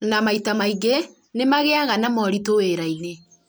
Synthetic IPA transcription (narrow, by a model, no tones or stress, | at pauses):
namaitamaiɡe | nemaɣeaɣanamɔɾitoeɾaine